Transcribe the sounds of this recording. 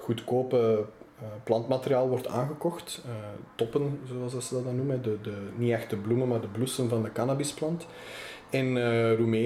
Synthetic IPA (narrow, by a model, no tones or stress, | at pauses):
ɣutkoːpə | plɑntmateɾiaːlˠʋɔrtʰa̰ːnɣəkɔxtːtɔpənzoːɑlˠzdɑsədɑtdɑnuməɦɛdədəniɛxt̚dəblumənmaːrdəblusənvɑndəkanaːbɪsplɑnt | ɛnrumeː